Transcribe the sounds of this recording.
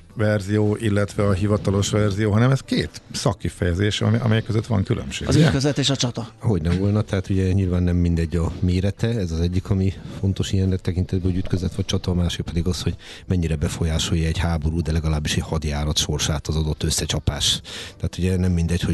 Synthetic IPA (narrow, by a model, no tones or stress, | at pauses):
vɛrzijoːʔilːɛt̪ʋɛɒɦivɒt̪ɒlo̞ʃʋɛrzijoːɦɒnɛmɛskeːt̪sɒkːifɛjɛzeːʃɒ̰miɒ̰mɛjɛkːøzøt̪ːʋɒ̰ŋkylʔø̰mʃḛɡ̰zykøzɛt̪eːʃɒt͡ʃɒt̪ɒho̞ɟnɛmvo̞lnɒt̪ɛɦaːt̪uɟɛɲilvaːnːɛmːind̪ɛɟːɒmeːɾɛt̪ɛɛzɒzɛɟːikʰɒmifo̞nt̪o̞ʃijɛnːɛk̚t̪ɛkint̪ɛd̪bɛoɟyt̪køzlɛt̪ʋɒt͡ʃɒt̪ɒmaːʃeːpɛd̪iɡɒsho̞ɟ | mɛɲːiɾɛbɛfo̞jaːʃo̞jːɒɛɟhaːbo̞ɾuːd̪ɛlɛɡɒlaːbːiʃɛɟhɒd̪jaːɾɒt̪ʃo̞rʃaːt̪ɒzɒd̪o̞t̪ːø̞sːɛt͡ʃɒpaːʃt̪ɛɦːt̪uɟɛnɛmːind̪ɛcho̞